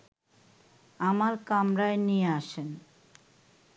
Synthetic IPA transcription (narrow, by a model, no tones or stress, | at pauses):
amaɾkamɾaenijeaʃen